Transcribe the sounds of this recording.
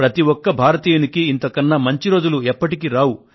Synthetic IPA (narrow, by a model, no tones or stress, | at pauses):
pɾɐt̪iwɔkːɐbʱaːɾɐt̪iːjunikiːnt̪ɐkɐnːɐmɐɲt͡ʃiɾo̞ːd͡ʒuluɛpːɐʈikiɾaːwu